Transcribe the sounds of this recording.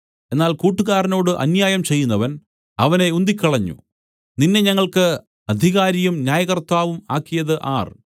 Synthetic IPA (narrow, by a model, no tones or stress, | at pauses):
e̞nːaːlkuːʈːuɣaːɾɐnoːɽɨʔɐ̰njaːjɐmt͡ɕe̞jːunːɐʋɐn | ɐʋɐne̞und̪ikʲːɐɭɐɲːṵ | ninːe̞ɲɐŋːɐɭkɨ | ɐd̪ʱiɣaːɾijumnjaːjɐɣɐrt̪aːʋumaːkːijɐðɨʔaːr